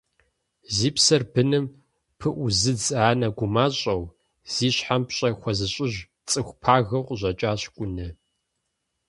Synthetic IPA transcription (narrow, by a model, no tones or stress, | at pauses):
ziːpsɐrbɨnɨm | pʰɨʔʷʊzɨd͡zaːnɐɡʷʊmaːɕʼɐw | z̥iːɕħampɕʼɐxʷɔzɨɕʼɪʑ | t͡sʼɨxʷpʰaːɣɐqʷʼʑʷɐt͡ʃʼaːɕkʷʼʊnɨ